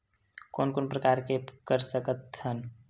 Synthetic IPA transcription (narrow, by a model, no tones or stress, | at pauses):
koːnkoːnpɾəkaːɾkekəɾsəkət̪hən